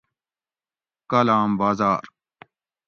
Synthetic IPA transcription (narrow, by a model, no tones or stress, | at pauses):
kɐlaːmbaːzaːɾ